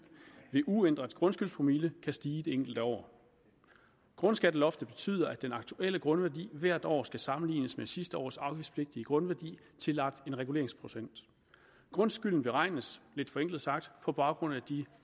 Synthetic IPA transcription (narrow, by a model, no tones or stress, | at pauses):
ʋe̝ʔuend̥ʁɐd̥ɡ̥ʁɔ̽nsɡ̥ylspʰʁomiləkʰæsd̥iːd̥e̝eŋ̰ɡ̥l̩d̥əɒ̰ː | ɡ̥ʁɔ̽nsɡ̥æd̥əlɒ̽fd̥əb̥e̝t͡sʰy̰ːð̞̰ˠɐæd̥enɑ̈ɡ̥̚t͡sʰuʔel̰əɡ̥ʁɔ̽nʋæɐd̥ḭːʋæɐ̰d̥ɒ̰ːsɡ̥æsɑ̈mn̩lḭːnəsmesisd̥əɒ̰ːsɑ̈ʊɡ̥i̥spʰle̝ɡ̥̚d̥iəɡ̥ʁɔ̽nʋæɐd̥ḭː | t͡sʰe̝lɑ̈ɡ̥̚d̥e̝nʁɛɡ̥ule̝ɐeŋspʰʁo̝sen̰d̥ | ɡ̥ʁɔ̽nsɡ̥yl̰n̩b̥e̝ʁɑ̈ɪ̰nəsle̝d̥fɒ̽eŋ̰ɡ̥l̩ˠsɑ̈ɡ̥̚d̥pʰɒ̽b̥ɑ̈ʊɡ̥ʁɔ̽næd̥i